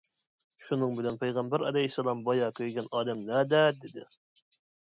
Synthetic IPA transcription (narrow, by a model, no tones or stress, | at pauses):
ʃunɨŋbɪlɛnpʰejʁɑmbæɾɑlɛhisːɑlˠɑmbɑjɑkʲʰøjɡʲɛnɑːd̪ɛmlɛd̪ɛd̪ɪd̪ɪ̰